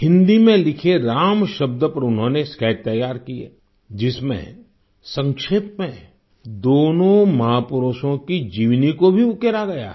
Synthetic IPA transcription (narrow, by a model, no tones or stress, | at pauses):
hɪ̃nd̪imẽlɪkʰeɾaːmʃɐb̚d̪əpɐɾʊnɦõneskɛːʈ̚t̪ɐjːaːɾkiḛː | d͡ʒɪsmḛ̃ | sə̃ŋkʃeːp̚mẽ | d̪oːnõmɐɦaːpʊɾoːʃõkid͡ʒiːʋnikobʱiʊkeɾaɡɐja̰ː